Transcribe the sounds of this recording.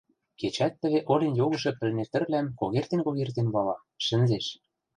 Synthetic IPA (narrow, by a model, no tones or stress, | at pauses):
ket͡ɕæt̪ːə̆βeʔolenjoɣɤ̆ʃɤ̆pɘ̆lnet̪ɘ̆rlæmkoɣert̪enkoɣert̪enβɑlɑ | ʃɘ̆nzeʃ